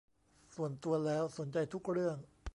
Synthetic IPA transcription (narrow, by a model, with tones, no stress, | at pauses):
su˨˩ənt̪u˧ɐlɛː˦˥wso˩˦nt͡ɕa˧jt̪ʰu˦˥k̚ɾɯ˥˩əŋ